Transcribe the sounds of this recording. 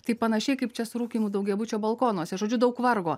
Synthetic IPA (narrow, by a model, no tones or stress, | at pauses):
t̪ɐɪpɐnɐʃʲɛɪkɐɪpt͡ʃʲɛsʊɾuːkʲiːmuːd̪ɐʊɡʲɛbʊt͡ʃʲoːbɐlˠkoːnuɔsʲɛʒoːd͡ʒʲʊd̪ɐʊkʋɐrɡoː